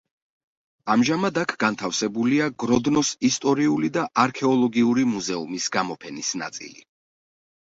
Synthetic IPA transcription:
amʒamad̪akʰɡ̥ant̪ʰafsɛbuliaɡɾɔd̪nɔsist̪ʼɔɾiulid̪aʔaɾkʰɛɔlˠɔɡiuɾimuzɛumisɡamɔpʰɛnisna̰t̪sʼḭlḭ

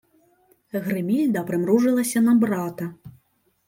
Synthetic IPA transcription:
ɣɾɨmʲilʲd̪ɐpɾɨmɾuʐɨlˠɐsʲɐnɐbɾat̪ɐ

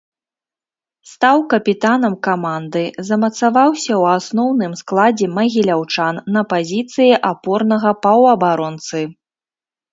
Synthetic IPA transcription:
st̪awkɐpʲit̪anɐmkamand̪ɨzɐmɐt̪savawsʲɐwasnɔwnɨmsklˠad͡zʲɛmɐɣʲilʲawt͡ʂanːɐpazʲit̪sɨjɛʔapɔrnɐɣɐpɐwɐbaɾɔnt̪sɨ

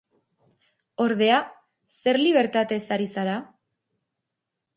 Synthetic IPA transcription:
o̞ɾðe̞a | se̞ɾliβ̞e̞ɾt̪at̪e̞saɾisaɾa

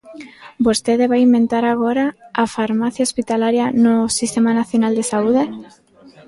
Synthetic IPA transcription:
bost̪eðeβaimẽnt̪aɾaɣ̞oɾaafaɾmaθjaospit̪alaɾjanosist̪emanaθjonald̪esauð̞e

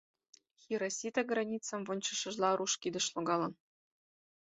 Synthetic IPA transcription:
xʲiɾasʲit̪ɑɡrɑnʲit͡sɑmvɤ̆nʲt͡ɕɤ̆ʂɤ̆ʒlˠɑɾuʃkʲid̪ɤ̆ʃlˠoɡɑlˠɤ̆n

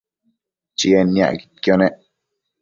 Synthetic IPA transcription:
t͡ʃienːja̰ɡi̥t̪̚kjoneʔ

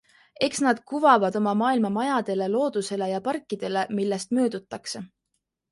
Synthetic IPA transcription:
e̞ksnɑd̪̥̚kuvɑvɑd̪o̞mɑmɑːilmɑmɑjɑd̪̥e̞le̞lo̞ːd̪̥use̞le̞jɑpɑrkːˑid̪̥e̞le̞milːe̞st̪mø̞ːd̪̥ut̪ːˑɑkse̞

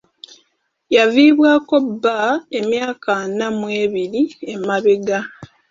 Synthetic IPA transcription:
javiːβwaːko̞bːae̞mjaːkʰanamweːβiɾie̞maβeɡa

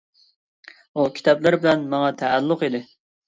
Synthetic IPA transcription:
ukʲʰi̥t̪ɛplɪɾbɪlɛnmɑŋɑt̪ʰæːlːʊqid̪ɪ

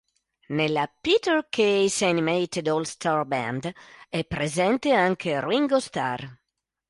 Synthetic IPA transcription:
nelapit̪erkʰejsanimejt̪ed̪ɔlst̪ʰarbɛ̰nd̪ɛpːɾezɛnt̪eaŋkʰeriŋɡost̪a̰r

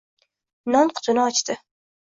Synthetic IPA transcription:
nɒnqʰʊ̥t̪ʰʊnɪɒt͡ʃt̪ɪ

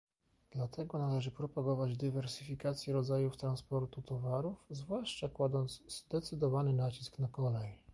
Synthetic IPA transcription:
d̪̥lat̪ʰɛɡɔnalɛʐɘpɾɔpaɡɔvad͡ʑd̪ɘvɛɾsɘfʲikat̪sʲjɛɾɔd̪zajuft̪ɾanspɔɾt̪ut̪ɔvaɾufzvwaʂt͡ʂakwad̪ɔnt̪zzd̪ɛt̪sɘd̪ɔvanɘnat͡ɕisknakɔlɛj

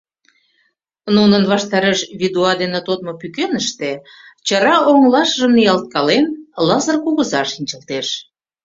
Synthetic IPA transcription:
nunənβɑʃt̪ɑɾeʃβid̪uɑd̪enet̪ot̪̚mopykenəʃt̪e | t͡ɕəɾɑoŋlɑʃəʒəmnijɑlt̪̚kɑlenlɑzərkuɣəzɑʃinʲt͡ɕəlt̪eʃ

